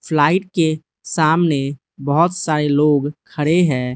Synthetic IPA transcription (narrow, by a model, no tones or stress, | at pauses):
pʰlaːɪʈ̚ke | saːmne | bəɦʊt̪saːɾeloːɡkʰəɽeɦɛ̃ː